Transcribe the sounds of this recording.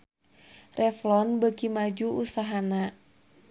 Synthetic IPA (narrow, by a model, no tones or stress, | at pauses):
rʔɛflɔnbəkimad͡ʒuusaɦana